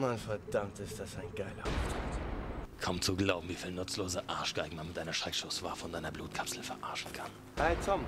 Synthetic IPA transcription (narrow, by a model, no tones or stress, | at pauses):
manfɛɐd̥amtɪstd̥asaɪnɡ̥aɪlɐɔtatkʰɔmt͡suɡlaʊbm̩viːfiːlnʊt͡sloːzəʔa̰ɐʃɡ̥aɪɡŋ̩manmɪtʔaɪnɐʃʁ̥ɛkʃtosv̥a̰ːɐfɔndaɪnɐbluːtkʰapsl̩fɛɐʔa̰ɐʃn̩kʰan | haɪtʰɔm